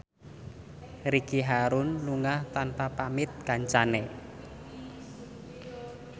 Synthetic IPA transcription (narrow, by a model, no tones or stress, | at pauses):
ɾikiɦaɾʊnluŋaht̪anpapamɪt̪̚kaɲt͡ʃanɛ